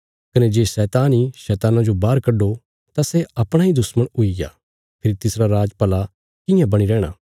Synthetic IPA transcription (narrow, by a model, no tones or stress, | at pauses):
kɐned͡ʒeːsɛːt̪aːniʃɛːt̪aːnãd͡ʒobaːɾkɐɖːo | t̪asɛɐpɽ̃aid̪ʊsməɽʊiɡa̰ː | pʰɪɾit̪ɪsɾaɾaːd͡ʒpɐla | kɪ̃jãbɐɽ̃iɾɛːɽ̃a̰ː